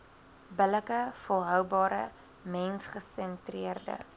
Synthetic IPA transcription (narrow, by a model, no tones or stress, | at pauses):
bələkəfɔlˠɦœwbɑːɾə̰ | mɛnsχəsɛntriərdə̰